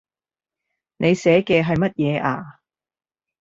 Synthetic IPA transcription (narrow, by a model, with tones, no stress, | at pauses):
nʔe˨˧jsɛː˨˥kɛː˧ɦɐ˨jmɐ˥t̚jɛː˨˧ʔaː˧